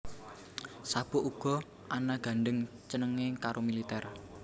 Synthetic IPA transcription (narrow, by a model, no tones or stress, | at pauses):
sab̥ɔʔuɡ̥ɔ̤ | ʔanaɡ̥a̤ɳɖəŋ | t͡ʃənəŋekaɾomilit̪ɛr